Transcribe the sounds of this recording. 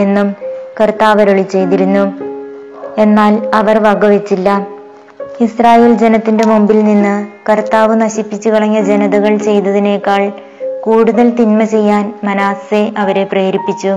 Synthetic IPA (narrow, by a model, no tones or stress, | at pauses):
e̞nːumkɐrt̪aːʋɐɾoɭit͡ɕːe̞jt̪iɾunːu | e̞nːaːlɐʋɐrʋɐɡɐʋet͡ɕːilːɐ | israːjeːld͡ʑe̞nɐt̪ːinde̞mombilninːɨkɐrt̪aːʋɨnɐɕipːit͡ɕːukiɭɐɲːɐd͡ʑe̞nɐðɐɣɐɭt͡ɕe̞jt̪ːɐðine̞ːkːaːɭ | kuːɽuðɐlt̪inmɐt͡ɕe̞jːaːnmɐnaːse̞ʔɐʋɐɾe̞preːɾipːit͡ɕːu